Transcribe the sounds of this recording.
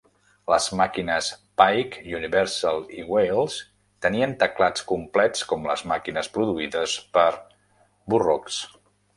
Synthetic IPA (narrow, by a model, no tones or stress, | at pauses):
ləzmakinəspajkiuniβɛɾsalˠiwejlˠs | t̪əniənt̪əklat͡skumplɛt͡skɔmlə̰zmakinəspɾuðuiðəspəɾ | burɔks